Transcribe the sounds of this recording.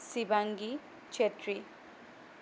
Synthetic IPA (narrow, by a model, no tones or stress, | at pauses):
sibaŋɡi | t͡ʃʰetri